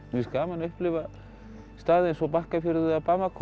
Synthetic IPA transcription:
vɪskaːmanaʏhplɪva | st̪aːðejnsɔpahkafjʏɾʏðʏapamakʰ

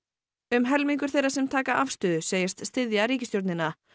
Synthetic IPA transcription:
ʏmɦɛlmiŋkʏɾ̥θejɾasɛmt̪ʰaːkaʔafst̪ʏðʏseːjɛst̪st̪ɪðjaɾiːcɪst̪jowɾt̪nɪnːa

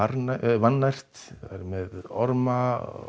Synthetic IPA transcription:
aɾnavanːajr̥t̪aɾmɛðɔɾma

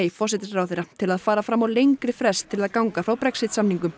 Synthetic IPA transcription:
ifɔrsɪt̪ɪsɾawθejɾat̪ʰɪlaðfaːɾafɾamːawlejŋkɾɪfɾɛst̪ʰːɪlaðkawŋkafɾawpɾɛksɪt̪samniŋkʏm

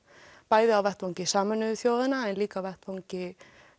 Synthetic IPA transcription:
paːjðɪawvɛht̪vawɲcɪsaːmanʏðʏθjoːwðɪnaɛnliːkavɛht̪vawɲcɪ

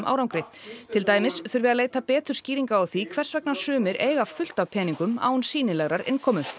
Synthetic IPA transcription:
mʔa̰wɾawŋkɾɪt̪ʰɪlt̪aːjmɪsθʏɾvɪːðaleːjt̪apɛːt̪ʏɾ̥sciːɾiŋkaawθikʰvɛr̥svɛknḁsʏːmɪɾḛːjɣafʏl̥t̪avpʰɛːniŋkʏma̰ːwnsiːnɪlɛɣɾaɾɪ̰nkʰɔːmʏ

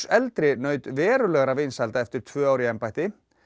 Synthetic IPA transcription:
ɛlt̪ɾɪnœːɥt̪vɛːɾʏlɛɣaɾavejnsalt̪aɛft̪ɪɾ̥t̪ʰv̥œːaːwɾiɛmpajht̪ɪ

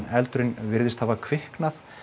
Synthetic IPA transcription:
nɛlt̪ʏɾɪnvɪɾðɪst̪havakʰv̥ɪhknaθ

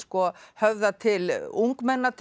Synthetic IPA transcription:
skɔhœvðat̪ʰɪluŋkmɛnːat̪ʰ

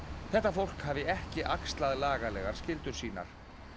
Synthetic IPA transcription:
θɛht̪ːafowl̥khaːvɪɛhcɪʔakst̪laðlaːɣalɛːɣaɾ̥scɪlt̪ʏɾ̥siːna̰ɾ̥

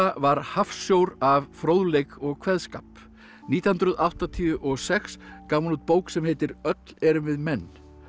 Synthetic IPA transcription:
avaɾ̥hafsjowɾavfɾoːwðlejkɔɣkʰvɛðskaːp | niːt̪jahnt̪ɾʏðawht̪at̪ʰiʏʔɔɣsɛxskaːwmalut̪̚poːwksɛmhejt̪ɪɾœt̪lɛɾʏvɪðmɛnː

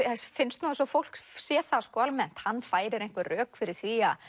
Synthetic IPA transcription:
sfɪnst̪nuːðasɔfowl̥ksjɛːθaskɔalmɛn̥t̪hanːfaːjɾɪɾejŋ̥kvʏrœːkfɪɾɪɾ̥θvia

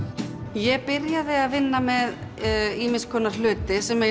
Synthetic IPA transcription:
jɛɣpɪɾjaðɪaðvɪnːamɛðiːmɪnskʰɔːnaɾ̥lʏːt̪ɪsɛmɛ

